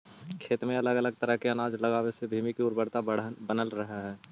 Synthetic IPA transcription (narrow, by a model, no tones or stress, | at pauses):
kʰeːt̪mẽɐləɡələɡ̚t̪əɾəɦkeɐnaːd͡ʒlɐɡaːwesebʱiːmikiʊɾbəɽt̪abənəlɾəɦaɦɛː